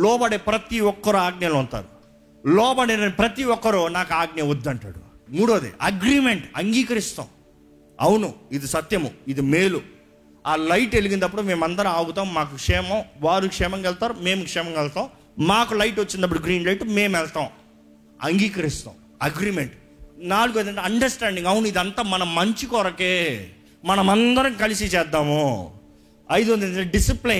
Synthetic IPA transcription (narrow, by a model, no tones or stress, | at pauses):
lɔːbɐɽeːpɾɐt̪iɔkːɐɾuaːɡnɐlunt̪a̰ːɾu | lɔːbɐɽenɐnipɾɐt̪iɔkːɐɾunaːkaːɡneʋud̪ːɐɳʈa̰ːɽṵmuːɽoːd̪ḛʔɐɡɾiːme̞ɳʈɐŋɡiːkɐɾist̪a̰ːw̃ | ɐwunuid̪isɐt̪jɐmuid̪ime̞ːlu | aːlɐjʈeliɡind̪ɐpːuɽume̞ːmɐnd̪ɐɾɐaːɡut̪aːmmaːkukʂɛːmɐmʋaːɾikʂɛːmɐŋkɐlt̪aːɾumeːmukʂɛːmɐŋkɛlt̪aːw̃ | maːkulɐjʈʋot͡ʃːind̪ɐp̬ːuɽuɡɾiːnlɐjʈmeːmɛlt̪aːw̃ | ɐ̰ŋɡiːkɐɾist̪a̰ːw̃ | ɐɡɾimeɳʈ | naːluɡed̪ɐɳʈeɐɳɖɐɾsʈaːɳɖiŋɡɐwunuid̪ɐnt̪aːmɐnɐmɐɲt͡ʃikɔːɾɐkeː | mɐnɐmɐnd̪ɐɾɐŋkɐlisit͡ʃɛːd̪ːaːmu | ɐjd̪uɐnd̪inɖisipli